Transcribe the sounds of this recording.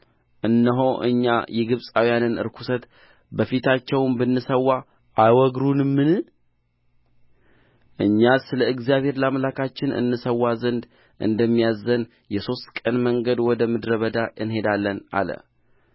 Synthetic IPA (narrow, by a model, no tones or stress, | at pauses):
ʔɨnːəɦo̞ʔɨ̰ɲːa̰jɛɡɨβsʼawijanɨnɨ̰ɾkʰu̥sət̪ | bəfit̪ʰat͡ʃːɛwmbɨnːɨsəwːa | ajwɔɡɾunmːɨnɨ | ʔɨɲːasɨləɨɡzijaβhe̞ɾlamlakʰat͡ʃːɪnɨ̰nːɨsəwːazənd̪ | ʔɨ̰nd̪əmːijazːən | jɛso̞st̪kʼənməŋɡəd̪wɔd̪əmɨd̪ɾəβəd̪aʔɨnɦe̞d̪alːəna̰lə̰